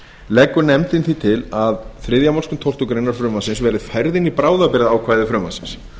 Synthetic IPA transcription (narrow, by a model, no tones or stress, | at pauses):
lɛːkːʏɾnɛmt̪ɪnθit̪ʰɪlaðθɾɪðjamalskʏmt̪ʰol̥t̪ukɾeːjnaɾ̥fɾœːmasɪnsvɛːɾɪðfajɾðɪnipɾaːwðapɪɾɪðaːwkʰv̥aːjðɪfɾœːma̰sɪ̥ns